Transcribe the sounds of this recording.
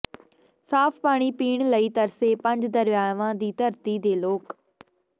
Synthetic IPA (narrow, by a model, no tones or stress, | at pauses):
saːpʰpaːɽ̃iːpiːɳləiːt̪əɾseːpə̃ɲd͡ʒd̪əɾjaːʋãːd̪iːt̪əɾt̪iːd̪eːloːk